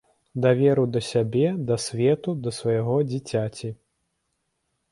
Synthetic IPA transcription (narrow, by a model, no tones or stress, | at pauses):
d̪avʲɛɾud̪ɐsʲabʲɛd̪ɐsʲvʲɛt̪ud̪ɐsvɐjaɣɔd͡zʲit͡sʲat͡sʲi